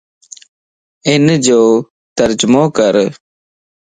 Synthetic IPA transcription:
ɪnd͡ʒoː | t̪əɾd͡ʒmõːkəɾ

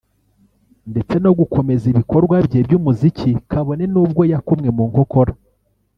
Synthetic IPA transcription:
nde̞t͡se̞no̞ɡukʰo̞me̞ziβiko̞ɾɡwabje̞ːbjuːmuzicikʰaβo̞ne̞nuːbɡo̞jakumŋe̞muːŋho̞ko̞ɾa

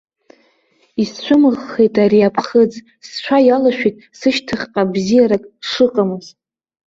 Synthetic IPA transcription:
ist͡ɕʷʰʊmɨʁːe̞jtʼaɾiapʰχəd͡z | st͡ʃʷʰajalaʃᶣitʼsɨʃtʰɨχʲqʼabzijaɾakʼʂɨqʼamɨzʼ

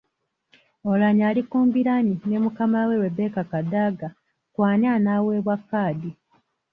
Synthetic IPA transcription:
olaɲaːlikuːmbiɾaɲinemukamawewe̞be̞ːkakadaːɡa | kwaːnianaːwe̞ːβwakːaːdi

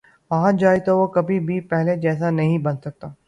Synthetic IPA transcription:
ʋɐɦãd͡ʒaːet̪oʋokɐbʱibʱipɛɦled͡ʒɛːsanɐɦĩbɐnsɐk̚t̪aː

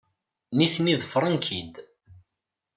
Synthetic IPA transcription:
niθniðˤfɾˤənkʰid̪

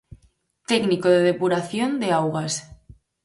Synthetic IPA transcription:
t̪ɛknikoðeðepuɾaθjond̪eawɣas

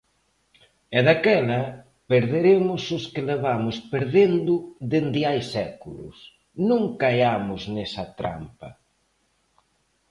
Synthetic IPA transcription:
ɛðakɛlɐ | peɾðeɾemʊsʊskɪleβamʊspeɾðend̪ʊðend̪ɪajsɛkulʊ̰s | nũŋkaeamʊznɛsɐt̪ɾa̰mpɐ̰

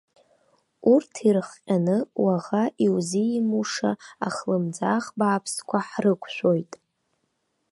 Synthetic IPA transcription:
urtʰirχqʲʼanɨwaʁaʔiwziimuʂaaχlɨmd͡zaχbaːpʰskʷʰaħrɨkʷʰʃʷᶣo̞jtʼ

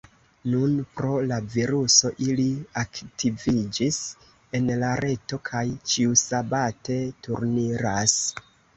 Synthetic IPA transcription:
nunpɾo̞laviɾuso̞ʔiliaktʰivid͡ʒis | e̞nlaɾʔe̞to̞kʰajt͡ʃiusabate̞tuɾniɾas

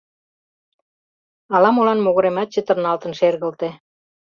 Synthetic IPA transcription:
ɑlɑmolɑnmoɣɤ̆ɾemɑt̪̚t͡ɕet̪ə̆rnɑlt̪ə̆nʃerɣə̆lt̪e

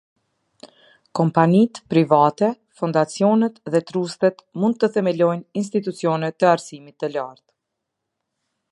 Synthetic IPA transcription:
kɔmpanit̪pɾivat̪ɛ | fund̪at͡sjɔnɛt̪ðɛt̪ɾust̪ɛt̪mund̪̚t̪ːəθɛmɛlɔjnins̬t̪it̪ut͡sjɔnɛt̪ːəaɾsimit̪ːəlaɾt̪

